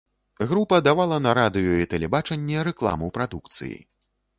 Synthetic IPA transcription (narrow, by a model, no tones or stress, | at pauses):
ɣɾupɐd̪avalˠɐnɐɾad̪ɨjuit̪ɛlʲɛbat͡ʂɐnʲːɛɾɛklˠa̰mɨwpɾad̪uk̚t̪sɨ̰jḭ